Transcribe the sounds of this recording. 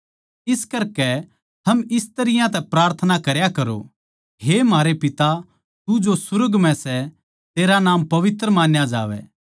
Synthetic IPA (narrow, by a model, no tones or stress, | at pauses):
ɪskɐɾkɛ | t̪ʰɐmɪst̪ɐɾɪjãt̪ɛpɾaːɾt̪ʰənakɐɾjakɐɾo̰ | ɦemaːɾepɪt̪a | t̪ud͡ʒosʊɾəɡmɛ̃sɛ | t̪eːɾanaːmpɐʋɪt̪ɾəmaːnjad͡ʒa̰ːʋɛ̰